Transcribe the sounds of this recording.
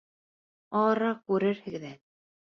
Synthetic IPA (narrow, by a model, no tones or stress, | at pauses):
ɑɾɑkʉɾɘɾhɘ̆ɡðæ